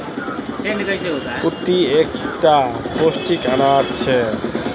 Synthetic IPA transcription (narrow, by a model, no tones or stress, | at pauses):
senkʌjseɦot̪akuʈiekʈaposʈikanat̪t͡ɕʰe